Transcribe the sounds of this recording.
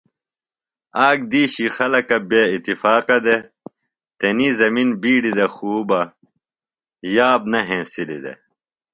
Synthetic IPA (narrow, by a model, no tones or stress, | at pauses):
aːɡ̚d̪iːɕixɐlɐkɐbeit̪ifaːqɐd̪e | t̪enizɐminbiːɖid̪ɐxuːbɐ | jaːbnɐɦẽːsilid̪ḛ